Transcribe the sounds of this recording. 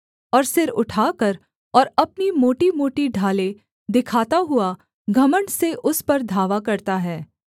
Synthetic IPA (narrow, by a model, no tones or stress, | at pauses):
ɔːɾsɪɾʊʈʰaːkɐɾ | ɔːɾɐpnimoːʈimoːʈiɖʱaːle | d̪ɪkʰaːt̪aɦʊa | ɡʱɐməɳɖseʔʊspɐɾd̪ʱaːʋakɐɾt̪aɦɛː